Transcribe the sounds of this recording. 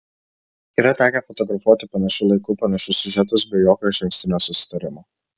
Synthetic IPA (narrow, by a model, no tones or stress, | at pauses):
iːɾɐt̪ʲæːkʲɛfɔt̪ɔɡɾɐfuɔt̪ʲɪpɐnɐʃʲʊlˠɐɪkʊpɐnɐʃʲʊsʲʊʒʲɛt̪ʊs̬bʲɛɪjoːkʲoɪʃʲɛŋʲkʲsʲt̪ʲɪnʲoːsʊsʲɪ̥t̪ɐɾʲɪmoː